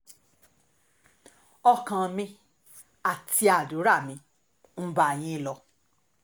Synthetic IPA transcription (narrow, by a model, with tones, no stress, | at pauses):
ɔ˧kã˧mĩ˧ | a˨ti˧a˨du˨˦ɾa˦˨mĩ˧˦ | m̩˦ba˨j̃ĩ˧lɔ˧